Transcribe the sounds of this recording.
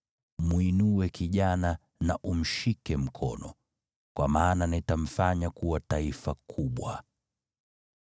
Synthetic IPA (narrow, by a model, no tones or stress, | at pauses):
mwinuwɛkiʄana | naʔum̩ʃikɛm̩kʰɔ̰nɔ̰ | kwamaːnanaitam̩faɲakuwataifakʰuɓwa